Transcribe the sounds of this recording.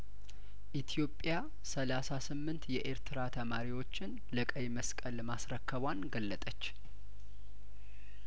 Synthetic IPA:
ʔit̪ʰjo̞pʼja | səlasasɨmːɨnt̪jɛʔeɾt̪ʰɨɾat̪ʰəmaɾiwo̞t͡ʃːɪn | ləkʼəjməskʼəlmasɾəkːəβanɡəlːət̪ʼət͡ʃː

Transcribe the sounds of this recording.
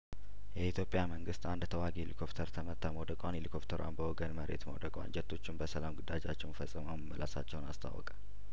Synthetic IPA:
jɛit̪ʰjo̞pʼjaməŋɡɨst̪and̪t̪ʰəwaɡilikʰo̞pt̪ʰəɾt̪ʰəmət̪ʰamod̪əkʼʷanilikʰopt̪ʰəɾwʔa̰nbəwɔɡənməɾḛt̪mə̰wd̪əkʼwa̰nd͡ʒɛt̪ʰːo̞t͡ʃːɪnbəsəlamɡɨd̪ad͡ʒat͡ʃːɛwnfəsʼːɨmaməmːəlʔa̰sat͡ʃːɛwnast̪ʰa̰wɔ̰kʼḁ

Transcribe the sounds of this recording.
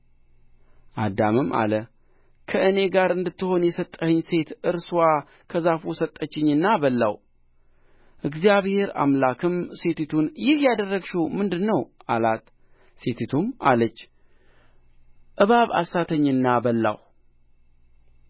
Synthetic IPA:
ʔad̪amɨma̰lə | kʰəɨne̞ɡaɾɨnd̪ɨt̪ːɨho̞njɛsət̪ʼːəhɨɲːse̞t̪ʔɨɾswa | kʰəzafusət̪ʼːət͡ʃːɪɲːɨnːabəlːa̰w | ʔɨɡzijaβhe̞ɾa̰mlakʰɨmse̞t̪ʰit̪ʰunjɪhjad̪ərːəɡʃumɨnd̪ɨnːəwʔalat̪ | set̪ʰit̪ʰumalət͡ʃː | ʔɨβaβa̰sat̪ʰəɲːɨnːabəlːa̰w

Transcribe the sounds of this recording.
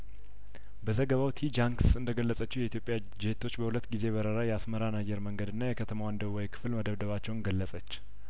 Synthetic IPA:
bəzəɡəβawt̪ʰid͡ʒaŋksɨnd̪əɡəlːəsʼət͡ʃːɛwjɛit̪jo̞pʼja | d͡ʒet̪ʰːo̞t͡ʃːbəhulət̪ːɡize̞βəɾəɾajɛasməɾanajːɛɾməŋɡəd̪ɨnːajɛkʰət̪ʰəmawand̪əβwɔjkʰɨ̥flməd̪əβd̪əβat͡ʃːɛwnɡəlːəsʼət͡ʃː

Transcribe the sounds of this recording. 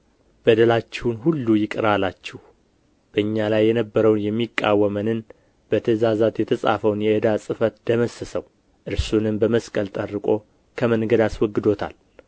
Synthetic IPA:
b̥əd̪əlat͡ʃːɛwunhulːujɪkʼɨɾalat͡ʃːɛh | b̥əɨɲːalajːɛnəbːəɾəwnjɛmːikʼːa̰wːəmənɨn | b̥ət̪ʰəzazat̪jɛt̪ʰəsʼa̰fəwnjɛəd̪asʼɨfət̪d̪əməsːəsəw | ʔɨɾsunɨmbəməskʼəlt̪ʼərːɨkʼo̞ | kʰəmənɡəd̪aswɔɡːɨd̪o̞t̪ʰa̰l

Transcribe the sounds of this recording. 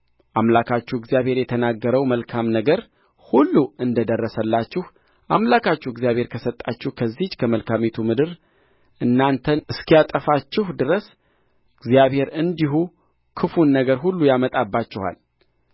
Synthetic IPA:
ʔamlakʰat͡ʃːuɪɡzijaβhe̞ɾjɛt̪ʰənaɡːəɾəwməlkʰamnəɡəɾ | hulːuʔɨnd̪əd̪ərːəsəlːat͡ʃːɪh | ʔamlakʰat͡ʃːuɪɡzijaβhe̞ɾkʰəsət̪ʼːat͡ʃːɪhkʰəzːid͡ʒkʰəməlkʰamet̪ʰumɨd̪ɨɾ | ʔɨnːant̪ʰənɨskʰijat̪ʼəfat͡ʃːɪhd̪ɨɾəs | ɪɡzijaβhe̞ɾɨnd̪iɦu | kʰɨfunːəɡəɾɦulːujamət̪ʼabːat͡ʃːɪha̰l

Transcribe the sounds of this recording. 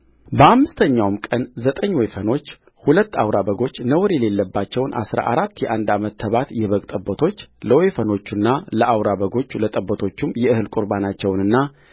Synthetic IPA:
bəʔamːɨst̪ʰəɲːawmkʼənzət̪ʼəɲːwɔjfəno̞t͡ʃː | hulət̪ːawɾabəɡo̞t͡ʃːnəwɾjɛle̞lːəbːat͡ʃːɛwnʔa̰sɾa̰ʔaɾat̪ːjɛʔand̪amət̪ʰːəβat̪jɛβəkʼt̪ʼəbːət̪ʰo̞t͡ʃːləwɔjfəno̞t͡ʃːunːaləʔawɾaβəɡo̞t͡ʃːlət̪ʼəbːət̪ʰo̞t͡ʃːumjɛɨhɨlkʼuɾbanat͡ʃːɛwnɨnːa

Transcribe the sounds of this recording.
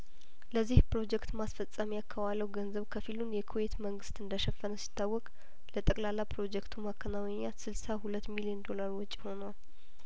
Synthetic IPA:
ləzːihpɾo̞d͡ʒɛkt̪masfəsʼːamiakʰːəβaləwɡənzəβkʰəfilunjɛkʰowe̞t̪məŋɡɨst̪ɨnd̪əʃɛfːənəsi̥t̪ʰːawːɔkʼ | lət̪ʼəkʼlalːapɾo̞d͡ʒɛkt̪ʰumakʰːənawɛɲːasɨlsahulət̪ːmiliend̪o̞laɾwɔt͡ʃʼːiho̞nəwal

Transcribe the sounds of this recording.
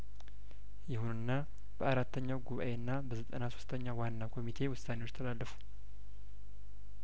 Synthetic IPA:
jɪhunɨnːa | b̥əaɾat̪ːəɲːawɡuβa̰ʔe̞nːabəzət̪ʼənaso̞̥st̪ʰəɲːawanːakʰo̞mit̪ʰe̞wʊsːaneot͡ʃːt̪ʰəlalːəfu̥

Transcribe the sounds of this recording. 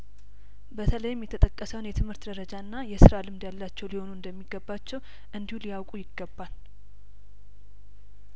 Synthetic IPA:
bət̪ʰələjɪmjɛt̪ʰət̪ʼəkʼːəsəwnjɛt̪ʰɨmhɨɾt̪d̪əɾəd͡ʒaɨnːajɛsɨɾalɨmd̪jalːat͡ʃːɛwliho̞nuɨnd̪əmːiɡəbːat͡ʃːɛw | ʔɨnd̪ihulijawkʼujɪɡːəbːal

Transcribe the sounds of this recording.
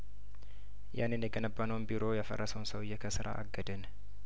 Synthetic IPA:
ja̰nːɨnjɛɡənəbːanəwnbiɾo̞jafə̰rːəsəwnsəwɨjːɛkʰəsɨɾʔa̰ʔaɡːəd̪ən

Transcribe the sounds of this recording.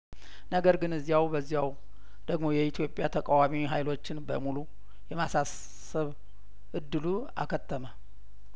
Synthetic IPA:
nəɡəɾɡɨnɨzːijawbəzːijaw | d̪̥əɡmo̞jɛit̪ʰjo̞pʼjat̪ʰəkʼawamiɦajlo̞t͡ʃːɪnbəmulu | jɛmasas | əβ | ʔɨd̪ːɨlu | a̰kʰət̪ʰːəmə

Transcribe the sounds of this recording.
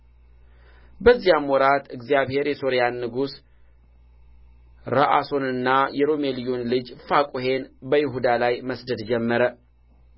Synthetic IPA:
bəzːijamwɔɾat̪ɨɡzijaβhe̞ɾjɛso̞ɾijanːɨɡus | ɾəʔaso̞nɨnːajɛɾo̞melijonlɨd͡ʒfakʼuɦe̞nbəjɪɦud̪alajməsd̪əd̪d͡ʒɛmːəɾə

